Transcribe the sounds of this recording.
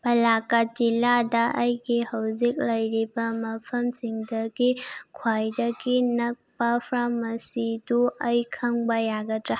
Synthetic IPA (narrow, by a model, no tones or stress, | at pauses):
pɐlakat̚d͡ʒiladɐʔɐjɡihɐwzik̚lɐjɾibɐmɐpʰɐmsiŋdɐɡikʰwajdɐɡinɐk̚pɐpʰɾamɐsiduɐjkʰɐŋbɐjaɡɐtɾa